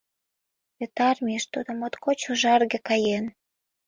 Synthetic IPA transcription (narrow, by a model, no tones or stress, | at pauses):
βet̪ɑrmieʃt̪ud̪ŏmot̪kot͡ɕoʒɑrɣĕkɑjen